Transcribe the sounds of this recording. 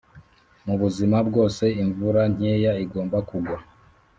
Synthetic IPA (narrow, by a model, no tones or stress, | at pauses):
muβuzimabɡo̞ːse̞iɱvuɾaɲ̥eːjaiɡo̞ːmbakuɡwa